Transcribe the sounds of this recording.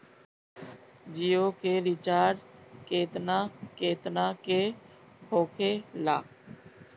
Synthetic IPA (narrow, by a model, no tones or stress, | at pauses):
d͡ʒijoːkeːɾɪt͡ʃaːɾkeːt̪naːkeːt̪naːke | hoːkʰeːla̰ː